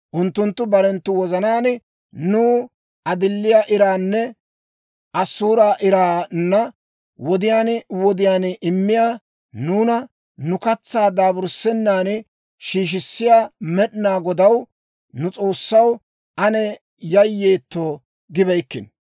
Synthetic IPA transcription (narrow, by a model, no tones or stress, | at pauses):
ʔʊnt̪ːʊnt̪ːʊbɐɾɛnt̪ːʊwɔzɐnaːn | nuː | ɐd̪ɪlːɪjaːʔɪɾaːnːɛ | ʔɐsːuːɾaːʔɪɾaːnːɐ | wɔd̪ɪjaːnwɔd̪ɪjaːnɪmːɪjaː | nuːnɐ | nʊkɐt͡sːaːd̪aːbʊɾsːɛnːaːn | ʃiːʃ̬ɪsːɪjaːmɛɗnaːɡɔd̪ɐw | nʊt͡sʼo̞ːsːɐw | ʔɐnɛ | jɐjːe̞ːt̪ːo̞ː | ɡɪbɛjkːɪ̰n